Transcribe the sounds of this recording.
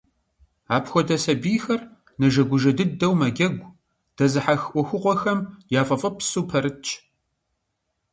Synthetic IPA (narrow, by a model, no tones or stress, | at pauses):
aːpxʷɔdɐsɐbiːxɐr | nɐʒɐɡʷʊʒɐdɨdɐwmɐɡʲɐɡʷ | d̥ɐzɨħaxʔʷɔxʷɨqʷɔxɐmjaːfʼɐfʼɨpsuːpʰɐɾɨt͡ʃʰʼ